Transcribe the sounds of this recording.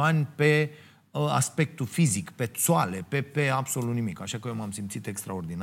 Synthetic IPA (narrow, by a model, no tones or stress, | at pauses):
anʲpe̞ | a̰spe̞k̚t̪ufizikpe̞t̪soale̞pepeabso̞lut̪nimikaʃakəjomamsimt̪sit̪e̞kst̪ɾao̞rd̪in